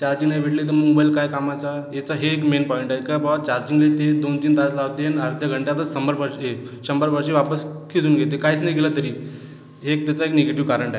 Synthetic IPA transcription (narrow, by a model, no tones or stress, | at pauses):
t͡ɕaɾd͡ʑĩŋɡajʋʱeɽlet̪̬əməmɡobailkajkamat͡sajet͡saɦeːkmenpɔiɳʈajkabʱaɡat͡ɕaɾd͡ʑiŋɡlet̪ed̪ont̪iːnt̪at͡slaʋt̪enəɾd̪ʱjəɡʱəɳʈjat̪əsəmbəɾpəɾɕeɕəmbəɾpəɾɕeʋapəskʰid͡zuːnɡʱet̪̬ekaiːt͡snajɡelat̪əɾiː | ɦek̚t̪jat͡saekneɡeʈiʋkaɾəɳʈae